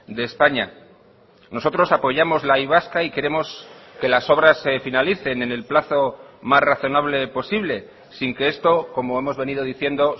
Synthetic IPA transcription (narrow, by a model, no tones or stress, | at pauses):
d̪e̞ːspaɲa | no̞so̞t̪ɾo̞sapo̞ʝamo̞zlaiβ̞askaike̞ɾe̞mo̞ske̞laso̞β̞ɾasːe̞finaliθe̞ne̞ne̞lplaθo̞mazraθo̞naβle̞po̞siβle̞ | siŋke̞e̞st̪o̞ko̞mo̞e̞mo̞zβe̞nið̞o̞ðiθje̞nd̪o̞